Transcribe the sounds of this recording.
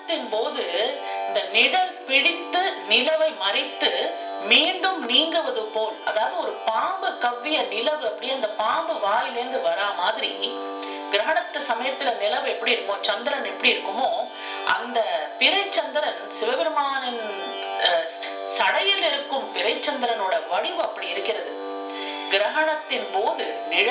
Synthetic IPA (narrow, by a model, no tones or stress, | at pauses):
t̪ːɪnpoːðɯnd̪ɐnɪɽɐpɪɽɪt̪ːɯnɪlɐʋɐɪmɐɾɪt̪ːɯmiːɳɖɯmniːŋɡɯʋɐðɯpoːlɐðaːʋɐðɯɔɾɯpaːmbɯkːɐʋːɪjɐnɪlɐʋɯɐpːɐɽɪjɐnd̪ɐpaːmbɯʋaːjɪlɪɾnd̪ɯʋɐɾaːmaːðɪɾḭ | ɡɪɾɐɦɐɳɐt̪ːɯsɐmɐjɐt̪ːɪlɐnɪlɐʋɛpːɐɽiɪɾɯkːɯmoːt͡ʃɐnd̪ɪɾɐnɛpːɐɽiɪɾɯkːɯmoː | ʔɐ̰nd̪ɐpɪɾɐɪt͡ʃːɐnd̪ɪɾɐnsɪʋɐʋɪɾɯmaːnɪn | sɐɽɐjɪlɪɾɯkːɯmpɪɾɐɪt͡ʃːɐnd̪ɪɾɐnoːɽɐʋɐɽɪʋɯɐpːɐɽiɪɾɯkːɪrɐðɯ | ɡɪɾɐɦɐɳɐt̪ːɪnpoːðɯnɪɻ